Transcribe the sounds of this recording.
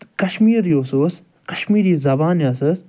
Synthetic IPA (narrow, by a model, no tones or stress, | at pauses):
kɐʃmiːɾioːsoːs | kɐʃmiːɾiːzɐbaːnjasɐs